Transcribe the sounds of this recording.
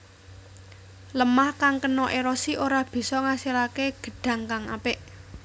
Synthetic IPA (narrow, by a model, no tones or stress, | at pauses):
ləmahkaŋkənɔʔeɾɔsioɾab̥i̤sɔŋasilakeɡ̥ə̤ɖ̥ä̤ŋkaŋa̰pɪʔ